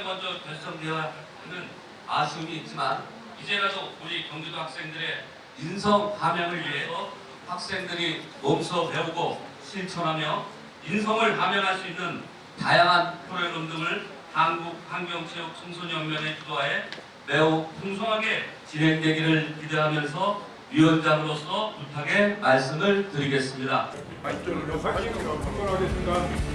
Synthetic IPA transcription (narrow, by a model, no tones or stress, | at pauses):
nɡʌnd͡ʑʌkʌɭs͈ʌndeʌa | inɯn | aɕʰumiːt̚t͡ɕ͈iman | id͡ʑe̞ɾadouɾikjʌŋɡudoɦak̚s͈e̞ŋdɯɾe̞ | insʰʌŋpamjʌŋɯɭɥiɦesʰʌ | ɸak̚s͈e̞ŋdɯɾimomsʰʌne̞uɡo | ɕʰiɭt͡ɕʰʌnɦamjʌ | insʰʌŋɯɭpamjʌnɦaɭs͈uinːɯn | tajaŋɦanpʰoɾeɾondɯŋɯɭ | tanɡuk̚haŋɡjʌŋsʰejʌk̚t͡ɕʰʌŋsʰoɲjʌŋmjʌne̞kuɡwae | me̞upʰoŋsʰoŋɦaɡe̞t͡ɕinɦe̞ŋdwe̞ɡiɾɯɭkideɦamjʌns̬ʰʌ | ɥiwʌnd͡ʑaŋɯɾos͈ʰʌputʰaɡe̞maɭs̬͈ɯmɯɭtɯɾiɡe̞s͈ɯmɲida | ɡɾaɡesa